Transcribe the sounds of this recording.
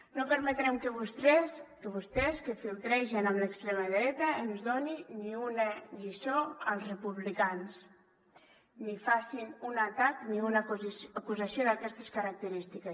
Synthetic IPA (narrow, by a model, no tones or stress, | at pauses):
nopəɾmet̪ɾɛmkəβust̪ɾɛskəβust̪ɛskəfilˠt̪ɾejʃinamləkst̪ɾeməðɾɛt̪əenuzðoniniunəʎisoəlˠzrepuβlikans | nifasinunat̪akniunaakuzasjoðakɛst̪əskaɾak̚t̪əɾist̪ike